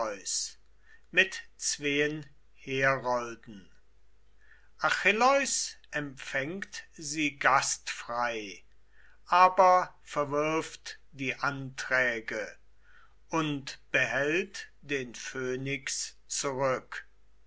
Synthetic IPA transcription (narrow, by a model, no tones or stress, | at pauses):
ʏs | mɪtt͡sv̥eːən | heːɐʁɔldn̩ | ʔaxɪlɔʏsʔɛmfɛŋktziːɡastfʁ̥aɪ | ʔaːbɐfɛɐvɪɐftd̥iːʔantʁ̥ɛːɡə | ʔʊntb̥əɦɛltd̥eːnføːnɪks | t͡suʁʏk